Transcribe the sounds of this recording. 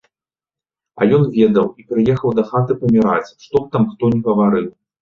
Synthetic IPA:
ɐ̰jɔnvʲɛd̪ɐwipɾɨjɛxɐwd̪ɐxat̪ɨpɐmʲiɾa̰t͡sʲʂt̪ɔp̚t̪amxt̪ɔnʲiɣɐvaɾɨw

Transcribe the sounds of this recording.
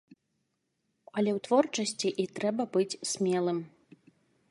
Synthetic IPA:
ɐlʲɛwt̪vɔrt͡ʂɐsʲt͡sʲiʔit̪ɾɛbɐbɨt͡sʲsʲmʲɛlˠɨm

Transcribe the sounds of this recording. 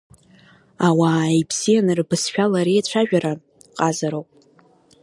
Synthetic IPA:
awaejpʰsijanɨrbɨsʃᶣalaɾijt͡ɕʷʰaʒᶣaɾa | qʼazaɾowpʼ

